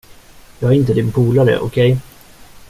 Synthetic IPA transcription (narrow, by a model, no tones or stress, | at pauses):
jɑːɡaɾɪnt̪əd̪ɪnpʰuːlaɾə̰ʔɔkʰɛj